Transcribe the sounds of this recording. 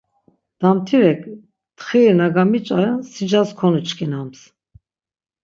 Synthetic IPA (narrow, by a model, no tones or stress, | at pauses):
d̪̥amt̪ʰiɾɛkʰʼ | t̪χiɾnaɡamit͡ʃʼasid͡ʒaskʰɔnut͡ʃkʰinams